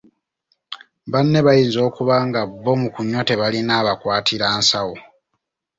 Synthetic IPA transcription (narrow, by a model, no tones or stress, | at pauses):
βanːe̞βajiːnzo̞ːkuβaːŋɡabːo̞mukuɲːote̞βalinaːβakwaːtʰiɾaːnsawo